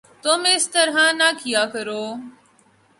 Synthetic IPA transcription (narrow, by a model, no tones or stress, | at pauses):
t̪ʊmɪst̪əɾɦãːnaːkɪjaːkəɾoː